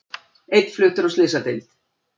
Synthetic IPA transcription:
ejt̪flʏːt̪ʏɾɔslɪsat̪ejlt̪

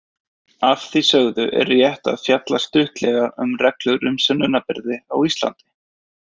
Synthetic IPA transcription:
afθisœɣðʏʔɛ̰ɾjɛht̪a̰ðfjat̪last̪ʏht̪lɛɣaʏ̰mrɛklʏɣɾʏmsʏnːʏnːapɪɾðɪawist̪la̰nt̪ɪ̥

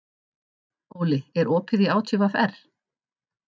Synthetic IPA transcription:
oːwlɪɛɾɔːpʰɪðiaːwt̪ʰʏvafɛ̰r̥

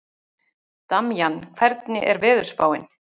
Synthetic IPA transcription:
t̪amjankʰvɛɾt̪nɪ̰ʔɛɾvɪːðʏɾ̥spa̰ːwɪn

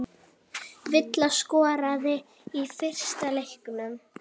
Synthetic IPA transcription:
vɪt̪laskɔːɾaðɪ | ifɪr̥st̪alejhkʏnʏm

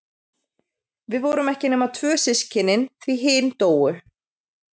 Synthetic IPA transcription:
vɪðvɔːwɾʏmɛhcɪnɛːmat̪ʰvœːsɪscʰɪnːɪnθviɦɪːnt̪oːwʏ

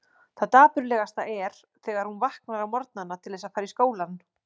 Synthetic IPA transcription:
θaðt̪aːpʏɾlɛːɣast̪aɛɾ̥ | θɛːɣaɾ̥hunvahk̚naɾawmɔɾt̪̚nanːat̪ʰɪlðɛːsafaːɾiskoːwlan

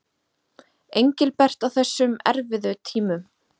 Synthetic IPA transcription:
ejɲcɪlpɛr̥t̪awθɛsːʏmɛ̰ɾvɪðʏt̪ʰiːmʏm

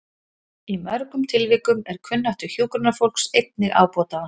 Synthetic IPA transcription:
imœɾkʏmt̪ʰɪlvɪːkʏmɛɾ̥kʰvʏnːaht̪ʏ̥çjuːkɾʏnafowl̥ksejt̪̚nɪɣʔa̰ːwpɔːt̪aa

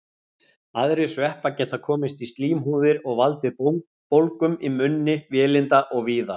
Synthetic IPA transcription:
aðɾɪsvɛhpacɛht̪ːakʰɔːmɪst̪ist̪liːmɦuːðɪɾɔɣvalt̪ɪpowŋ | powlkʏmimʏnːɪvjɛːlɪnt̪aʔɔɣviːða

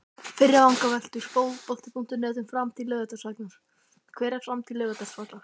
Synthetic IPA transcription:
fɪɾjaawŋkavɛl̥t̪ʏɾ̥fowðpɔl̥t̪ɪpʰuŋ̥t̪ʏnɛːt̪ʏmfɾamt̪ʰɪlːœːɣɛt̪asaklas | kʰvɛːɾɛfɾamt̪ʰɪlːœːvɛt̪ḁsak̪la

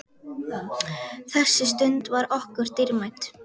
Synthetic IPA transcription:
θɛsːɪst̪ʏnt̪vaɾɔhkʏɾ̥t̪ɪɾmajt̪

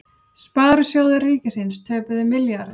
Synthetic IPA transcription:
spaːðɾʏsjoːwðɪriːcɪsɪnst̪ʰœːpʏðɪmɪljaɾ

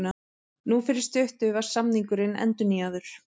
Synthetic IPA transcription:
na | nufɪɾɪst̪ʏht̪ʏvḁsamniŋkʏɾɪnɛ̰nt̪ʏniaðʏɾ̥

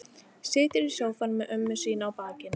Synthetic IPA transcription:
sɪːt̪ɪɾi̥sjoːwfanmɛʔœmːʏsiːnaːwpaːcɪn

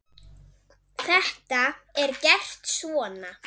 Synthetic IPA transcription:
θɛht̪aɛɾcɛr̥t̪svɔːna

